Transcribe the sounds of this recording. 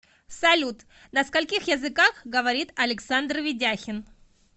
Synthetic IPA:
fsɐlʲut̪ | nəskɐlʲkʲixjəzɨkaxɡəvɐɾʲit̪ɐlʲɪksand̪rvʲɪdʲaxʲɪn

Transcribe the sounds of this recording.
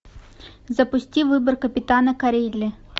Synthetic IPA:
zɐpʊsʲtʲiwʋːɪbɪrkɐpʲit̪ɑnɐkɐɾʲilʲːi

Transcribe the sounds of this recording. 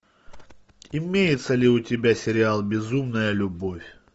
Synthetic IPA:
ɪmʲejɪt̪səlʲɪʊtʲɪbʲasʲɪɾʲɪalˠbʲɪzumnəjəlʲʊbofʲ

